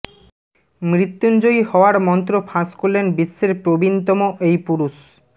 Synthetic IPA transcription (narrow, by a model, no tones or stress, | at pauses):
mɾit̪ːund͡ʑojhɔoaɾmɔnt̪ɾofʰaskoɾlenbisːeɾpɾobint̪ɔmoʔejpuɾuʃ